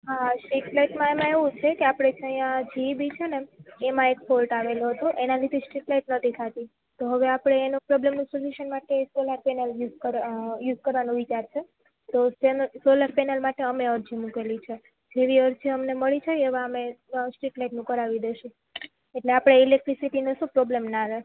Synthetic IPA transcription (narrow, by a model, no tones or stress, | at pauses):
ɦasʈiʈlajʈmãemãeʋũt͡ʃʰekeapɽ̃ed͡ʒʰəjjãd͡ʒibit͡ʃʰeneemãekfolʈaʋeloɦət̪oʔenalid̪ʰʱisʈɾiʈlaiʈnət̪ʰikʰat̪i | t̪oɦəʋeapɽ̃eːnopɾɔblemnũsoluʃənmaʈeːsoləɾpɛnəljuzkəɾjuzkəɾʋanũʋit͡ʃaɾt͡ʃʰe | t̪osensolaɾpenəlmaʈeəmeəɾd͡ʒʰimukelit͡ʃʰe | d͡ʒeʋiəɾd͡ʒiəmneməɭit͡ʃʰeeʋãəmesʈɾiʈlaiʈnũkəɾaʋid̪eʃũ | eʈleapɽ̃eilek̚ʈɾisiʈinəsũpɾɔblemnãɾe